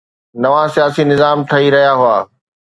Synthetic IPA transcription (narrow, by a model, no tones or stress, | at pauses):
nɐʋãsijaːsinɪzaːmʈ̪ʰɐiɾɐɦijaɦʊaː